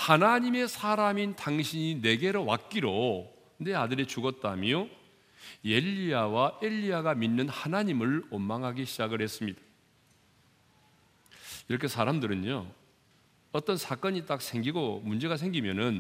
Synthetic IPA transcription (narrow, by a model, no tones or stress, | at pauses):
hanaɲime̞sʰaɾamintaŋɕʰiɲine̞ɡe̞ɾʌwa̰k̚k͈iɾo | ne̞adɯɾe̞t͡ɕuɡʌt̚t͈amjo | je̞ʎːiawae̞ʎːiaɡaminːɯnhanaɲimɯɭomːaŋɦaɡiɕʰid͡ʑaɡɯɭhe̞s͈ɯmɲid̥ḁ | iɾʌkʰe̞sʰaɾamdɯɾɯɲo | ʌt͈ʌnsʰak͈ʌɲit͈ak̚sʰe̞ŋɡiɡomund͡ʑe̞ɡas̬ʰe̞ŋɡimjʌnɯn